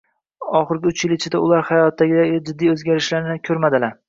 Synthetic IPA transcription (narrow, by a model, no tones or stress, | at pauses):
ɒχɨɾɡʲɪʊt͡ʃjɪlɪt͡ʃʰɪd̪aʊlˠaɾhajɒt̪ʰːaɡʲɪd̪ad͡ʒɪd̪ːijɵzɡʲaɾɪʃlaɾnɪkʲʰɵɾmad̪ɪlaɾ